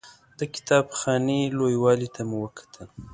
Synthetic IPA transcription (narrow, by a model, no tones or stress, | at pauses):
d̪̥əkɪ̥t̪ɑbxɑnelojwɑlit̪ʰamuwəkḁt̪ʰəl